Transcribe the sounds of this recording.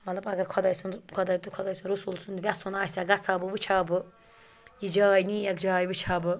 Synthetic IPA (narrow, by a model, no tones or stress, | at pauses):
mɐt̪lɐbɐɡɐɾkʰɔd̪aːjsunkʰɔd̪aːjt̪ukʰɔd̪aːjsunɾusulsʰund̪ʋʲasunaːsaɡɐt͡sʰaːbɨʋɨt͡ʃʰaːbɨ | jid͡ʒaːjniːjɐkd͡ʒaːjʋɨt͡ʃʰaːbɨ